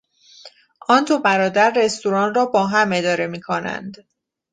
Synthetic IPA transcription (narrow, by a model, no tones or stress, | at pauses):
ʔɒːnd̪obæɾɒːd̪æɾːe̞st̪uɾɒːnrɒːbɒːɦæme̞d̪ɒːɾe̞miːkʰonæ̰nd̪